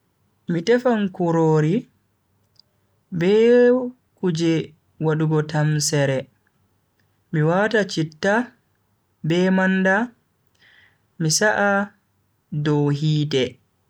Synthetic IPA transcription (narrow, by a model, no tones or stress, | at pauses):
mitɛfankuɾoːɾi | bɛ | kud͡ʒɛ | waɗuɡɔtamsɛɾɛ | miwatat͡ʃitːa | bɛmanda | misaʔa | dɔwɦiːtɛ